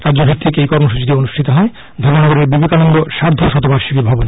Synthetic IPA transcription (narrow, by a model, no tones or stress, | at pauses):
ɾadːd͡ʑobʱek̚t̪ʰːikejkɔɾmoʃut͡ɕit̪eonuʃʈʰit̪oɦɔe | d̪ʱɔɾmonɔɡoɾeɾbibekanɔŋɡoʃaɾd̪ʱoʃɔt̪obaɾʃikebʱɔbon